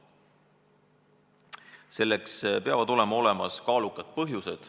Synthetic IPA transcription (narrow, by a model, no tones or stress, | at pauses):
se̞lːekspeɑvɑd̪̥o̞le̞mɑo̞le̞mɑ̰skɑːlukːˑɑd̪̥̚pɤɦjuse̞d̪̥